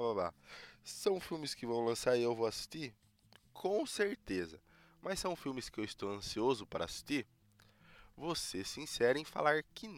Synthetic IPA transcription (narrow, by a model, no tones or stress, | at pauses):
bababa̰sɐ̃w̃fiwmɪskɪvɐ̃w̃lɐ̃saɾɪewvoasi̥st̪i | kʰõw̃seɾt̪ezɐ | mɐssːɐ̃w̃fiwmɪskɪewɪst̪owɐ̃siozʊpaɾɐːsi̥st̪iɾ | vosesĩsɛɾɐẽfa̰laɾkɪn